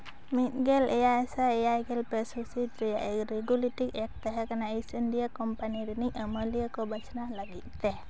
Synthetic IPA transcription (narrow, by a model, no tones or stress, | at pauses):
mit̪̚ɡɛlɛjaɛsaɛjajɡɛlpɛsusit̪ɾɛjaʔekɾiɡuliʈikɛk̚t̪ɛɦɛkanaesənɖijakɔmpaniɾiniʔəməlijakɔbət͡ʃnalaɡit̪̚ˀt̪ɛ